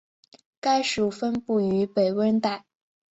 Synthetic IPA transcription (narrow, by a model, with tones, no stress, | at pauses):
ka˥ɪʂu˨˩fə˥npu˥˩y˧˥pe˨˩ɪwə˥nt̪a˥˩ɪ